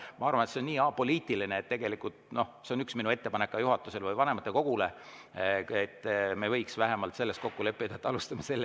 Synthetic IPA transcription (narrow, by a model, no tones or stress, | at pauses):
mɑɑrvɑnet̪seonːiːɑpo̞liːt̪ˑilineːt̪t̪e̞ɡe̞likˑult̪no̞se̞o̞nyksminue̞t̪ːe̞pɑne̞kːˑɑjuɦɑt̪ːˑuse̞lvɯjvɑnemɑt̪ːˑe̞ko̞ɡ̥ule̞ | et̪ːme̞vɤ̞jksvæɦemɑlt̪se̞lːest̪̚ko̞kːule̞pːˑid̪̥ɑet̪ːˑɑlust̪ɑmɑse̞lːe